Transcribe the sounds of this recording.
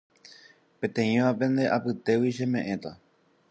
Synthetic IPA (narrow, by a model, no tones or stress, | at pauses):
pẽ̞t̪ẽ̞ĩʋapẽ̞nd̪e̞ʔapɨt̪e̞wiʃe̞mẽ̞ʔẽ̞t̪a